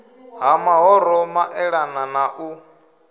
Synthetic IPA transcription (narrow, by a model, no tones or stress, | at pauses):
ɦamaɦɔɾɔmaʔɛɺananaʔu